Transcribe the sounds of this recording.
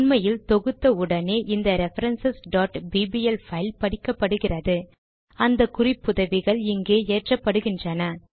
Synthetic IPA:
nmɐjɪlt̪ɔɣɯt̪ːɐʊɽɐneːʔɪnd̪ɐɾɛfɐɾɐnsɐsɖaːʈbiːbiɛlfɐɪlpɐɽɪkːɐpːɐɽɯɣɪrɐðɯ | ɐnd̪ɐkʊrɪpːʊðɐʋɪɣɐɭɪŋɡeːeːʈrɐpːɐɽɯɣɪndrɐnɐ

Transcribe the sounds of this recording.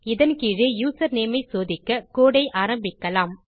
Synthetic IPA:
ɪðɐnkiːɻejuːsɐɾneːmɐɪsoːðɪkːɐkoːɽɐɪʔaːɾɐmbɪkːɐlaːm

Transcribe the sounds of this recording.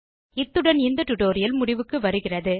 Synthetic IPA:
ɪt̪ːɯɽɐnɪnd̪ɐʈʊʈoːɾɪjɐlmʊɽɪʋɯkːɯʋɐɾɯɣɪrɐðɯ

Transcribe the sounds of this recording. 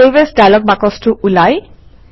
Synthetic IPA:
ebesdajlɔk̚bakɔstʊʔulaj

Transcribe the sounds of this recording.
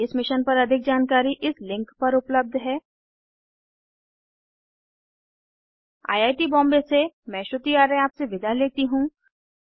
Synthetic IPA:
ɪsmɪʃənpɐɾɐd̪ʱɪk̚d͡ʒaːnkaːɾiʔɪslɪ̃ŋkpɐɾʊpləb̚d̪ʱɦɛː | a̰ːjaːʈibɔ̃ːmbesemɛ̃ːʃʊt̪iaːɾeaːpseʋɪd̪ʱaleːt̪iɦũː

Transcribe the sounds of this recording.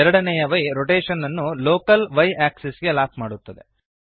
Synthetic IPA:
ɛɾɐɽɐnɛjɐʋɐjɾoʈeːʃɐnːɐnːuloːkɐlʋɐjaːksesɡelaːpmaːɽut̪ːɐd̪e

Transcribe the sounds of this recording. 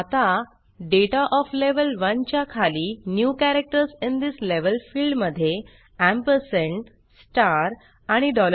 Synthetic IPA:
at̪a | ɖeʈaʔɔfleʋəlʋənt͡ɕjakʰaliːnjukæɾek̚ʈəɾsĩnd̪isleʋəlfilɖməd̪ʱːje | æ̃mpəɾsẽɳʈ | sʈaɾ | aɽ̃iɖɔlə

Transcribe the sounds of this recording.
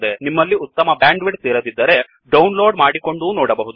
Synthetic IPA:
d̪enimːɐlːiut̪ːɐmɐbjaːɳɖʋiɖt̪iːɾɐd̪id̪ːɐɾe̞ | ɖɐwnlo̞ːɖmaːɽiko̞ɳɖunɔːɽɐbɐɦud̪u

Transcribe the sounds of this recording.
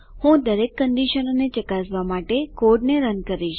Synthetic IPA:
hũd̪əɾekːəɳɖiʃənonet͡ʃəkasʋamaʈekoɖneɾənkəɾiʃ

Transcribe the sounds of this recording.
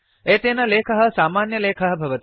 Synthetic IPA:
eːt̪eːnɐleːkʰɐɦɐ̆saːmaːnjɐleːkʰɐɦɐbʱɐʋɐt̪i

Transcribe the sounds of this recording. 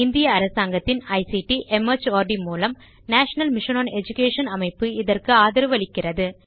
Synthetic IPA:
ɪnd̪ɪjɐːɾɐsaːŋɡɐt̪ːɪnɐɪsiʈiʔɛmɐɾt͡ʃoːɾɖimuːlɐm | naːʂɐnɐlmɪʂɐnoːnɛd͡ʒʊkeːʂɐnɐmɐɪpːɯɪðɐrkɯaːðɪɾɯʋɐɭɪkːɪrɐðɯ

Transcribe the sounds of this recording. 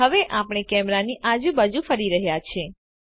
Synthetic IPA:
əʋeʔapɽ̃ekɛmɾaniʔad͡ʒũbad͡ʒufəɾiɾəɦjat͡ʃʰe

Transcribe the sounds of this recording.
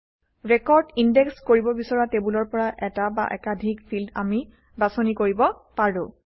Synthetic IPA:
ɹekɔɹdindɛkskoɹibɔbisɔɹatebulɔɹpɔɹaʔɛtaba̰ʔɛkadʱikpʰilda̰mi | basonikoɹibɔ | paɹʊ̃

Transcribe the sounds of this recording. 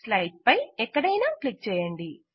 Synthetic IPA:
slɐjʈ̚pɐjɛkːɐɽɐjnaːklik̚t͡ʃɛːjɐɳɖi

